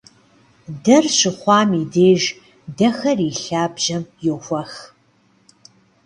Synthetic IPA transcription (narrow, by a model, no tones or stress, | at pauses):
dɐrɕɪχʷɑːmideːʒ | dɐxɐriːɬaːbʒ̥ɐmjowxʷɐx